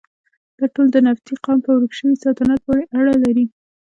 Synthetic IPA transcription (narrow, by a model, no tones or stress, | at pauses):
d̪̥ɑʈold̪ənaft̪iqɑmpəwɾəxʃəwisɑt̪anat̪̚wɑɽiʔaɽalaɾi